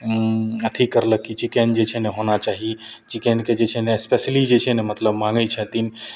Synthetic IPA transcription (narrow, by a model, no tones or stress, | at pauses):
ət̪ʰikəɾləkːit͡ʃikend͡ʒet͡ʃʰɛneɦonat͡ʃaɦit͡ʃikɛnked͡ʒet͡ʃʰɛneespeslid͡ʒet͡ʃʰɛnemət̪ləbmãŋɡət͡ʃʰɛt̪in